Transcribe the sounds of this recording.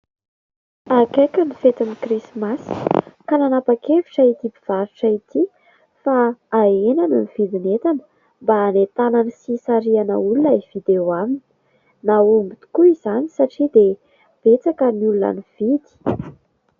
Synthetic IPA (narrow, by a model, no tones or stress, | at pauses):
akajkənifet̪inikrismaskananapakeviʈ͡ʂait̪ibiv̥aɾuʈ͡ʂəit̪i | faːenaninivid̪inet̪anə̥ | mbaːnet̪ananisisaɾianə̰ulunəiv̥id̪eoamini̥ | naumbit̪i̥kuiz̥anisaʈ͡ʂid̪e | b̥et͡sakəniuluna̰niv̥id̪i̥